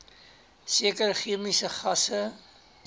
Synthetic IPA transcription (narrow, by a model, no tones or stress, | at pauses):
siəkərχiəmisəχɐsə